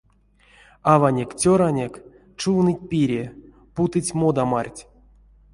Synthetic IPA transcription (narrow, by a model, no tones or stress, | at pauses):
avanʲekt͡sʲoɾanʲek | t͡ʃuwnɨtʲpʲiɾʲe | put̪ɨtʲmod̪amarʲtʲ